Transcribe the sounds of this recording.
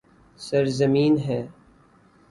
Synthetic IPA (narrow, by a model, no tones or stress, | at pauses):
sɐɾzɐmiːnɦɛː